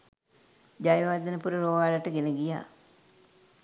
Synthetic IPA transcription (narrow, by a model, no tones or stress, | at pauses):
d͡ʒajʋad̪ənəpuɾəɾoːʋaːlaʈəɡenəɡija̰ː